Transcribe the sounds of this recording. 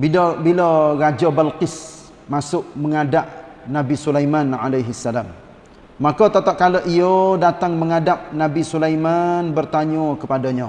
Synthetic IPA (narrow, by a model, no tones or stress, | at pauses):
bilbilarad͡ʒabalqɪs | masʊʔməŋadaʔnabisulajmanalajɦisːalamː | akɔt̪at̪aʔ̪̚kaləʔiodat̪aŋməŋadap̚nabisulajmanbərt̪aɲɔkəpadaɲa